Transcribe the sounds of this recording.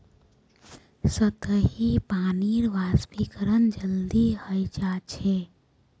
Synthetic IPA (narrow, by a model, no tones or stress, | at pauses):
sət̪əɦipaːniɾʋaːspikəɾənd͡ʒəld̪ihəjd͡ʒaːt͡ʃʰe